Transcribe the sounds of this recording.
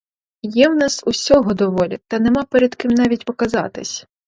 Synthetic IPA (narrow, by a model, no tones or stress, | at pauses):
jɛwnɑsusʲɔɦɔd̪ɔʋɔlʲɪt̪ɐnɛmɑpɛɾɛd̪kɪmnɑʋʲitʲpɔkɐzɑ̰t̪ɪ̰sʲ